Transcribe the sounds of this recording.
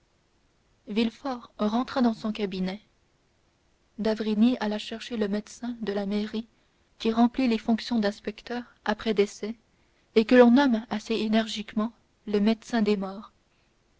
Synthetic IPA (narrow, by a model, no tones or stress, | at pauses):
vilfɔʁʁɑ̃t̪χad̪ɑ̃sɔ̃kabinɛ | d̪avʁinialaʃɛʁʃeləmɛd̪sɛ̃d̪əlameʁi | kʲiʁɑ̃plilefɔ̃ksjɔ̃d̪ɛ̃spɛkt̪œːʁ | apχɛd̪esɛ | ekəlɔ̃nɔmaseenɛʁʒikmɑ̃ | ləmɛd̪sɛ̃d̪emɔːʁ